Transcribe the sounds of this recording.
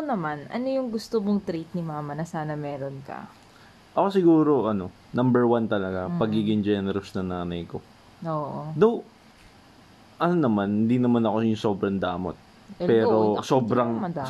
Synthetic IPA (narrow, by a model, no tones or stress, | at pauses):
nɐmanɐ̰no̞jʊŋɡʊst̪omoŋt̪ɾit̪̚nɪmaːmɐnɐsaːnɐmɛːɾonkɐ̰ | ʔɐko̞sɪɡuːɾo̞ʔɐno̞ | nɐmbɛɹwant̪ɐlɐɡapɐɡiːɡɪŋd͡ʒɛnɛɾɐsnɐŋnaːnɐjko̞ | oːʔod̪ow | ʔɐnonɐmanhɪnd̪inɐmanɐko̞jʊŋso̞ːbɾɐŋd̪aːmo̰t̪̚ | pɛːɾossoːbɾɐŋ